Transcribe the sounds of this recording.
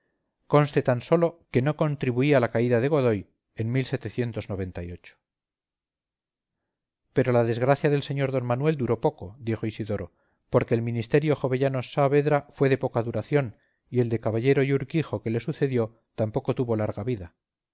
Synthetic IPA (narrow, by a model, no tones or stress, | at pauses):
ko̞nst̪e̞t̪anso̞lo̞ke̞no̞ko̞nt̪ɾiβuialakaiðaðe̞ɣoðo̞j | e̞nmilse̞t̪eθje̞nt̪o̞zno̞β̞e̞nt̪ajo̞t͡ʃo̥ | pe̞ɾo̞laðe̞zɣɾaθjaðe̞lse̞ɲo̞ɾðo̞nmanwe̞ld̪uɾo̞po̞ko̞d̪exoisiðo̞ɾo̞ | po̞ɾke̞ːlmĩnist̪e̞ɾjo̞xo̞βe̞ʝano̞saβe̞ðɾafwe̞ð̞e̞po̞kaðuɾaθjo̞n | ie̞ld̪e̞kaβaʎe̞ɾo̞juɾkixoke̞le̞suθe̞ðjo̞ | t̪ampo̞ko̞t̪uβo̞laɾɣaβiða